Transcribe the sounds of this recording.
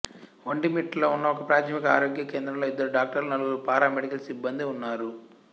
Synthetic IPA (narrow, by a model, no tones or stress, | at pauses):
ʋɐɳɖimiʈloːunːɐɔkɐpɾaːt̪ʰɐmikɐa̰ːɾoːɡjɐkeːnd̪ɾɐmlo̞ːid̪ːɐɾuɖaːk̚ʈɐɾlnɐluupaːɾaːmeɽikɐlsibːɐnd̪iunːaːɾu